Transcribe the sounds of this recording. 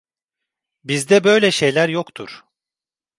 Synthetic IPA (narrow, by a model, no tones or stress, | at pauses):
bizd̪ɛbø̞jlʲɛʃe̞jlʲæɾjokt̪ʰṵɾ̥